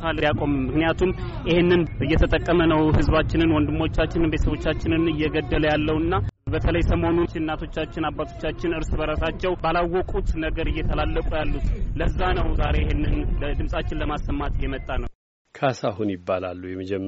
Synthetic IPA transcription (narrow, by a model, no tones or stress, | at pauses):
aljakʼo̞mːɨknijat̪ʰum | jɪhenːɨnɨjːɛt̪ʰət̪ʼəkʼːəmənəwhɨzbat͡ʃːɪnɨnwɔnd̪ɨmːo̞t͡ʃːat͡ʃːɪnɨnbet̪əsəβo̞t͡ʃːat͡ʃːɪnɨnɨjːɛɡəd̪ːələjalːəwɨnːabət̪ʰələjsəmo̞nut͡ʃɪnːat̪ʰo̞t͡ʃːat͡ʃːɪnabːat̪ʰo̞̥t͡ʃːat͡ʃːɪnɨɾsbəɾasat͡ʃːɛwbalawːɔkʼut̪nəɡəɾɨjːɛt̪ʰəlalːəkʼujalːut̪ləzːanəwzaɾe̞ɪhenːɨnləd̪ɨmsʼat͡ʃːɪnləmasːəmːat̪ɨjɛmət̪ʼːanəw | kʰasahunjɪbːala̰lːujɛməd͡ʒɛmː